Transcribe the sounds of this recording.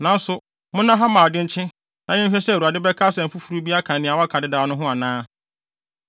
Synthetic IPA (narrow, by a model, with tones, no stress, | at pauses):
nã˨˦n̩˦sʊ˨ | mʊ̃˦nã˦ɦa˦mã˨a˨dɪ˦t͡ɕʰɪ̃˦ | nã˨ɲɪ̃˦fɛ˦sɛ˦˨u˨a˨dɪ˦bɛ˦kʰaː˦sɛ̃˨m̩˨fu˦fu˨ɾu˦bi˦a˦kʰã˨nɪ̃˨a˨wa˦kʰã˨dɪ˦daː˨˦nʊ̃˦ɦʊ̃˦a˨nãː˦